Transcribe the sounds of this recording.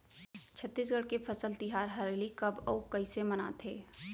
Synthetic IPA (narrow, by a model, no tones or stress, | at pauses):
t͡ʃʰət̪ːiːs̬ɡəɽkepʰəsəlt̪ɪɦaːɾɦɐɾeːlikɐbɔːkəiseməna̰t̪ʰeː